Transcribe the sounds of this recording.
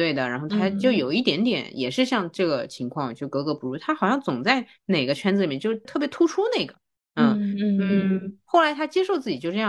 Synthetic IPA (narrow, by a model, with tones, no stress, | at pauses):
we˥˩ɪd̪ə˩ɻa˧˥nxo˥˩ʊt̪ʰa˥t͡ɕjo˥˩ʊjo˨˩ʊi˥˩t̪̬jɛ˧˥nt̪jɛ̰˨˧˩njɛ˨˩ʂɻ̩˥˧ɕjɑ˥˧ŋʈ͡ʂɤ˥˩ɡə˩t͡ɕʰi˧˥ŋkʰwɑ˥˩ŋt͡ɕjo˥˩kɤ˧˥kɤ˧˥pu˧˥˩u˧˥t̪ʰa˥xɑ˨˩ʊɕjɑ˥˩ŋt͡sʊ˨˩ŋt͡sa˥˩ɪ | ne˨˩ɪɡə˦t͡ɕʰɥɛ˥nt͡sd͡z̩˧i˨˩jɛ˥˩t͡ɕo˥˧ʊt̪ʰɤ˥˩pjɛ˧˥t̪ʰu˥ʈ͡ʂʰu˥ne˥˩ɪɡə˩ | nə˥˩n̩˥˩xo˥˩la˧˥ɪt̪ʰa˥t͡ɕjɛ˥ʂo˥˧ʊt͡sɹ̩˥˩t͡ɕi˨˩t͡ɕo˥˧ʊʈ͡ʂɤ˥˧j